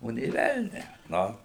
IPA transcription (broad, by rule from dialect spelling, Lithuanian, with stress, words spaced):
ˈoː nʲeː ˈʋʲɛlʲnʲæː ˈnʊ